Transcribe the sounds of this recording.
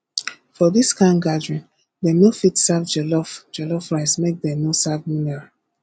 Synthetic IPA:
fɔðiskãnɡadɹĩn | denofitsavd͡ʒɛlɔfd͡ʒɛlɔfɹaɪsmek̚dɛnosavminɛɹa

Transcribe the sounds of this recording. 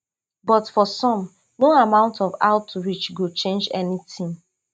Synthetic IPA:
bɔtfɔsɔ̃m | noamãʊ̃ntʰɔva̰ʊtɹit͡ʃɡot͡ʃẽnd͡ʒɛnitʰĩm

